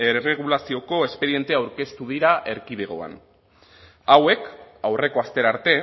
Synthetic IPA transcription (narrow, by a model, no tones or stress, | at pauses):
ere̞ɣ̞ulasio̞ko̞e̞spe̞ɾie̞nt̪eawɾke̞st̪uðiɾaʔe̞ɾkiðeɣ̞o̞̰a̰n | awe̞kawre̞ko̞ast̪e̞ɾaɾt̪e̞